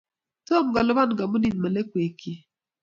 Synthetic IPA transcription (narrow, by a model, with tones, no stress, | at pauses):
to˦˨mɡa˨lʊ˦βa˦nɡa˨mʊ˦ni˨nma˨lɛ˦kwe˨ki˦